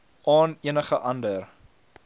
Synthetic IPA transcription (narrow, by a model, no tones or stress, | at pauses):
ʔɑːniənəχəʔɐndər